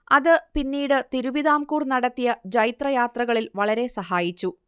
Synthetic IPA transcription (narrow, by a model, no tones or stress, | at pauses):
ɐðɨpinːiːɽɨt̪iɾuʋiðaːmkuːrnɐɽɐt̪ːijɐd͡ʑɐjit̪rɐjaːt̪rɐɣɐɭilʋɐɭɐɾe̞sɐɦaːjit͡ɕːu